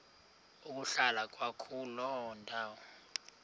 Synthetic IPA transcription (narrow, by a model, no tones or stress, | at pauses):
uk̬ʼuɬalak̬ʼwakʰulɔndʱaːwɔ